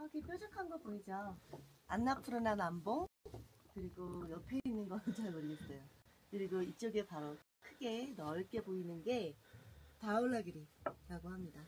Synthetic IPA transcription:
ʌkep͈jod͡ʑʌkʰanɡʌpoid͡ʑʌ | anːapʰɯɾɯnanamboŋkɯɾiɡojʌpʰe̞inːɯnɡʌt͡ɕaɭmʌɾiɡes͈ʌjo | kɯɾiɡoit͡ɕ͈ʌɡe̞paɾo | kʰɯɡe̞nʌɭk͈e̞boinɯnɡe̞ | taoɭːaɡiɾiɾaɡohamɲida

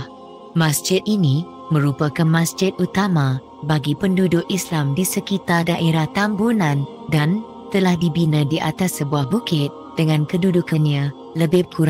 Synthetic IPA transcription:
mãsd͡ʒɪt̪̚inĩ | mə̃ɾupakanmãsd͡ʒɪt̪̚ut̪amã | baɡipəndudʊkislamdisəkit̪ardaʔeɾaht̪ambunãn | dan | t̪əlahdibinə̃diʔat̪asːəbuahbukɪt̪̚d̥əŋãnkədudukanɲã | ləbɪkuɾa

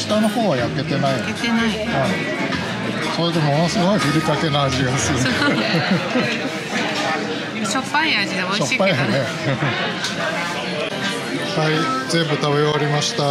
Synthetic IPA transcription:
si̥t̪ano̞ho̞ːβajake̞t̪e̞naienai | ã | soet̪ːemo̞no̞sɨɡo̞iɸɯɾʲik̪ake̞naaʑiensɨon | ɕopːaia | ɕopːaane | ɯ | haizẽ̞mbɯ̟t̪aβeaɾʲimaɕi̥t̪a

